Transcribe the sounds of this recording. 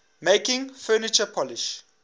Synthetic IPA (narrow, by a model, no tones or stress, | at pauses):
mekɪ̃ŋfɜːnit͡ʃəpʰɔliʃ